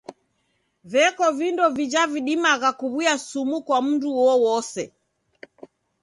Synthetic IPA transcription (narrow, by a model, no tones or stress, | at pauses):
vɛkɔvindɔvid͡ʒaviɗimaɣakuβujasumukwam̩nduwɔwɔsɛ